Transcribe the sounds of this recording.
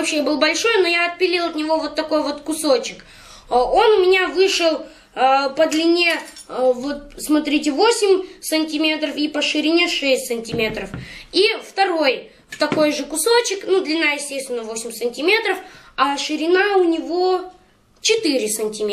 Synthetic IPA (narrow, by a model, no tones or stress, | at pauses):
ɐpɕejabɨlˠbɐlʲʂo̞jno̞jaɐt̪̚pʲɪlʲilˠɐt̪nʲɪvo̞vo̞t̪ːɐko̞jvo̞t̪kʊsot͡ɕɪk | o̞nʊmʲɪnʲavɨʂɨlˠ | pəd̪lʲɪnʲe̞vo̞t̪̚smɐt̪ɾʲitʲɪvo̞sʲɪmʲsɨnʲtʲɪmʲe̞t̪ɾəfipəʂɨɾʲɪnʲeʂɛsʲtʲsɨnʲtʲɪmʲe̞t̪ɾəfift̪ɐɾo̞j | t̪ɐko̞jʐɨkʊso̞t͡ɕɪknud̪lʲɪnːajɪsʲtʲest̪vʲɪnːəvo̞sʲɪmʲsɨnʲtʲɪmʲe̞t̪ɾəf | ɐʂɨɾʲɪnaʊnʲɪvo̞ | t͡ɕɪt̪ɨɾʲɪsənʲtʲɪmʲ